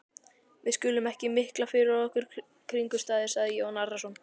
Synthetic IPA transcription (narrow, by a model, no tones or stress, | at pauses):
vɪðscʏːlʏmɛhcɪmɪhklafɪɾɪɾaðɔhkʏɾ̥ | kʰɾiŋkʏ̥st̪aːðɪɾ̥saːðɪjoːwnarːasɔn